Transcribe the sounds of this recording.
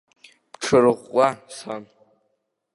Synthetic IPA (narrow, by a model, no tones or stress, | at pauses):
pʈ͡ʂʰɨrɨʁʷʼasan